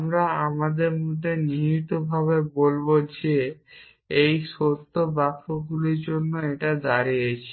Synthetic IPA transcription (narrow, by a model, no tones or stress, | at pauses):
mɾaamad̪eɾmud̪ʱːeniɦit̪obʱaβebolbod͡ʑe | ejʃot̪ːobakːoɡuliɾd͡ʑonːoeʈad̪aɾijet͡ɕʰi̥